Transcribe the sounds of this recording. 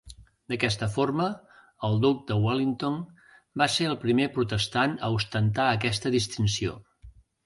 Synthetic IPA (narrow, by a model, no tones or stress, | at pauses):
d̪əkɛst̪əformə | əlˠd̪uk̚d̪əwalint̪on | baseɾəlˠpɾimepɾut̪əst̪anəust̪ənt̪aəkɛst̪əðist̪insio̰